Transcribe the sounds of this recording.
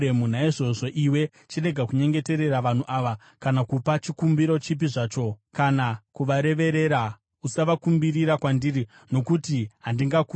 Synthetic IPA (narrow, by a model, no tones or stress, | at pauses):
emunaiʐo̞ʐo̞ʔiwe̞ | t͡ʃire̞ɡʱakuɲe̞ŋɡe̞te̞ɾe̞raʋan̤uʔaʋa | kanakupat͡ʃikumbiɾo̞t͡ʃip̬iʐaːt͡ʃo̞kanakuʋaɾe̞ʋe̞ɾe̞ɾa | usaʋakumbiriɾakwandiri | no̞kutiɦandiŋɡaku